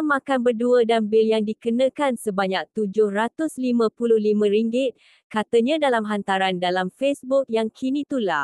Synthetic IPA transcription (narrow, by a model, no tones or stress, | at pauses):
mãkanbərduədanbɪljaŋdikənə̃kansəbaɲak̚t̪ud͡ʒʊhrat̪ʊslimə̃pulʊhlimə̃ɾiŋɡɪt̪̚ | kat̪əɲãdalamɦant̪aɾandalamfesbʊk̚jaŋkʰinĩt̪ula̰